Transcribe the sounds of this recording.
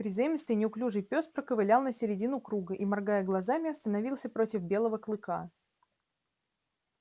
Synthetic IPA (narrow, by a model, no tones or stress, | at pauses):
pɾʲɪzajimʲɪst̪ɨjnʲɪʊklʲuʐɨjpʲo̞spɾəkəvɨlʲalˠnəsʲɪɾʲɪdʲinʊkɾuɡəʔimɐrɡajəɡlˠɐzamʲɪɐst̪ənɐvʲilˠsʲəpɾo̞tʲɪfbʲe̞lˠəvəklˠɨka